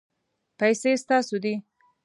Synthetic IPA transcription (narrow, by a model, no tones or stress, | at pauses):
pajsest̪ɑsod̪i